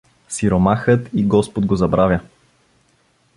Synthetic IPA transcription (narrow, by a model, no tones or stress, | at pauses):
siɾomaxət̪iɡɔspod̪ɡozɐbɾavʲə